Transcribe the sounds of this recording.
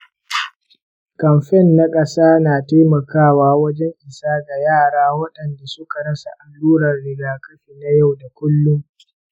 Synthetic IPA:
kɐ˨mɸɛ˦˨nːa˦kʼɐ˦saː˦naː˨teː˦mɐ˨kaː˦˨waː˦wɐ˦d͡ʒɛ˦ŋʔɪ˨saː˦ɡa˨jaː˦˨ɽaː˦wɐ˦ɗɐ˨nda˨sʊ˦ka˨ɽɐ˦sa˨ʔa˨lːuː˦ɾɐ˨rːɪ˦ɡaː˦kɐ˦ɸiː˨na˦ja˦˨wda˨kʷʊ˦lːʊ˦ŋ

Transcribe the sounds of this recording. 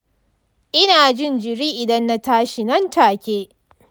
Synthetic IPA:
ʔɪ˦naː˨d͡ʒɪ˦nd͡ʒɪ˨ɾiː˦ʔɪ˨dɐ˦nːa˦taː˦ʃi˨nɐ˦ntaː˨kʲeː˦

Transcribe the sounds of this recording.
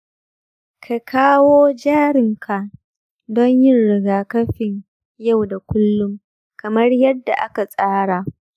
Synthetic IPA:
kʰa˨kʰaː˦woː˦d͡ʒaː˦ɾɪ˨ŋkʰa˨ | dɔ˦ɲjɪ˦nɽɪ˨ɡaː˨kɐ˦ɸɪ˨ɲ | ja˦˨wda˨kʷʊ˦lːʊ˦m | kʰɐ˨mɐ˦rjɐ˦dːa̰˨ʔa˦ka˨sʼaː˦ɽa˨ʔ

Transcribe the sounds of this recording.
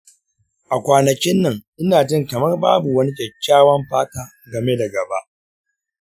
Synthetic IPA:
ʔa˨kʷaː˨nɐ˨kʲɪ˦nːɐ˨ŋʔɪ˦naː˨d͡ʒɪ˦ŋkɐ˨mɐ˦rbaː˦bu˨wɐ˦ni˦kʲɛ˨kʲːaː˦wɐ˦mɸaː˦taː˨ | ɡɐ˨me˦da˨ɡɐ˨ba˦ʔ

